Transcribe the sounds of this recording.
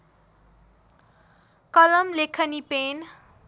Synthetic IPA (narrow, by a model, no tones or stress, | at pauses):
kʌlʌmlekʰʌnipen